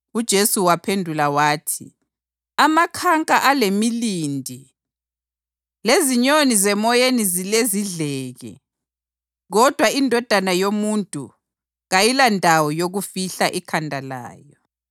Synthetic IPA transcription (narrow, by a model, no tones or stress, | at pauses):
ud̥ʒ̥ʱesuwapʰendʱulawaːtʰḭ | amakʰaŋkʼaʔalemiliːndʱi | leziɲonizɛmɔjenizileziɮɛːɣɛ̰ | ɣɔd̥ʱwaindʱɔd̥ʱanajomuntʼṵ | ɣajilandʱawɔjoɣufiɬaʔikʰandʱala̰ːjɔ